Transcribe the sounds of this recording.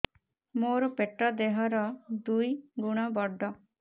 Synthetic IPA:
moːɾopeʈːɐd̪eɦɐɾɔd̪ujɡuɳɐbɔɖːɔ

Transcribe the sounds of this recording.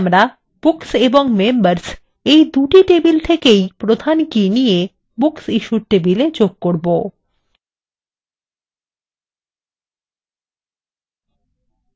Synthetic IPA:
mɾa | b̥ukseboŋmembaɾs | ejd̪uʈiʈebilt̪ʰekejpɾod̪ʱankinije | buksiʃuɾʈebiled͡ʑoɡ̚koɾbo

